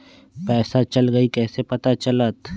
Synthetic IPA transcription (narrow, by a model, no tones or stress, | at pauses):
pɛːsat͡ʃɐlɡɐikɛːsepɐt̪at͡ʃɐlət̪